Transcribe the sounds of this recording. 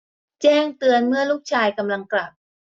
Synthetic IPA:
t͡ɕɛː˥˩ŋt̪ɯ˧ənmɯ˥˩ɐluː˥˩k̚t͡ɕʰaː˧jka˧mla˧ŋkla˨˩p̚

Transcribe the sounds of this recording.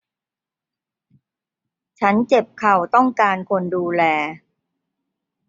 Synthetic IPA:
t͡ɕʰa˦˥nt͡ɕe˨˩p̚kʰa˨˩wt̪ɔ˥˩ŋkaː˧nkʰo˧nduː˧lɛː˧

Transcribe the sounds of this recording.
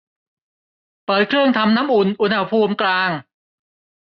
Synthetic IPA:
pɤː˨˩t̪̚kʰɾɯ˥˩əŋt̪ʰa˧mnaː˦˥mʔu˨˩nʔu˧˨˩nha˧˩pʰuː˧mklaː˧ŋ

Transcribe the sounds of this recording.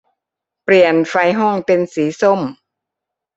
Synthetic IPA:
pɾi˨˩ənfa˧jɦɔ˥˩ŋpe˧nsiː˩˦so˥˩m

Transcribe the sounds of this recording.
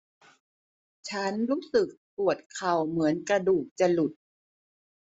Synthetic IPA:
t͡ɕʰa˦˥nɾuː˦˥sɯ˨˩k̚pu˨˩ət̪̚kʰa˨˩wmɯ˩˦ənka˧duː˨˩k̚t͡ɕa˨˧˩lu˨˩t̪̚

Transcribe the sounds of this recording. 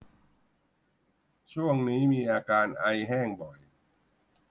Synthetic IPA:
t͡ɕʰu˥˩əŋniː˦˥miː˧ʔaː˧kaː˧nʔa˧jɦɛː˥˩ŋbɔ˨˩j

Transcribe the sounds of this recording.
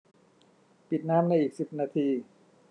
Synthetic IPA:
pi˨˩t̪̚naː˦˥˨mna˧jʔiː˨˩k̚si˨˩p̚naː˧t̪ʰiː˧

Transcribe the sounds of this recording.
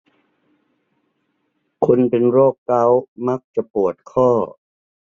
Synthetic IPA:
kʰu˧npe˧nɾoː˥˩kːa˦˥wma˦˥k̚t͡ɕa˨˩pu˨˩ət̪̚kʰɔː˥˩

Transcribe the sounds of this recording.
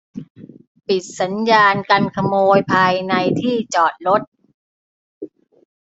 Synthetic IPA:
pi˨˩t̪̚sa˩˦njaː˧nka˧nkʰa˧moː˧jpʰaː˧jna˧jt̪ʰiː˥˩t͡ɕɔː˨˩t̪̚ɾo˦˥t̪̚

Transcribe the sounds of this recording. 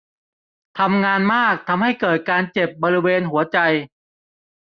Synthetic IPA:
t̪ʰa˧mŋaː˧nmaː˥˩k̚t̪ʰa˧mha˥˩jkɤː˨˩t̪̚kaː˧nt͡ɕe˨˩p̚bɔː˧ɾi˦˥weː˧nɦu˩˦ɐt͡ɕa˧j

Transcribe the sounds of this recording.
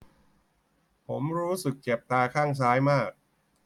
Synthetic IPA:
pʰo˩˦mɾuː˦˥sɯ˨˩k̚t͡ɕe˨˩p̚t̪aː˧kʰaː˥˩ŋs̬aː˦˥jmaː˥˩k̚

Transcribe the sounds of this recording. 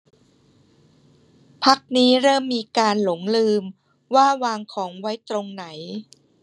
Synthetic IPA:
pʰa˦˥k̚niː˦˥ɾɤː˥˩mːiː˧kaː˧nlo˩˦ŋlɯː˧m | waː˥˩waː˧ŋkʰɔː˩˦ŋwa˦˥jt̪ɾo˧ŋna˩˦j

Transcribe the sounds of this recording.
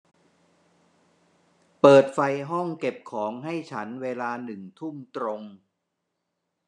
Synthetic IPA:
pɤː˨˩t̪̚fa˧jɦɔ˥˩ŋke˨˩p̚kʰɔː˩˦ŋɦa˥˩jt͡ɕʰa˦˥nweː˧laː˧nɯ˨˩ŋt̪ʰu˥˩mt̪ɾo˧ŋ

